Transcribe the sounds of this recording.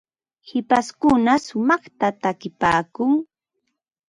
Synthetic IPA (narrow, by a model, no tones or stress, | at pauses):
hɪpaskʊnasʊmɑχt̪at̪akɪpaːkʊŋ